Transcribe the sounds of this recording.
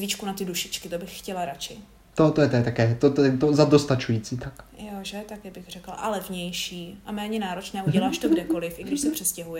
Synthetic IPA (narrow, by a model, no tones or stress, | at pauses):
zvit͡ʃkunat̪ɪduʃɪt͡ʃkɪt̪obɪxxcɛlaɾat͡ʃɪ | t̪ot̪ojɛt̪jɛt̪akɛːt̪ot̪oɛt̪ozadost̪at͡ʃujiːt͡siːt̪akjoʒɛt̪akɛbɪxr̝ɛkl̩ʔa̰lɛvɲɛjʃiːʔamɛːɲɛnaːɾo̞t͡ʃnɛːʔuɟɛlaːʃt̪oɡdɛko̞lɪfʔɪɡdɪʃsɛpr̝̥ɛscɛɦujɛ